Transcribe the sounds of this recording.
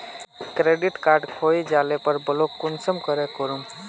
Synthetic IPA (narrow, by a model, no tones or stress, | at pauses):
kɾeɖiʈkaɾɖkʰojd͡ʒalepəɾbəlokːunsəmkəɾekəɾum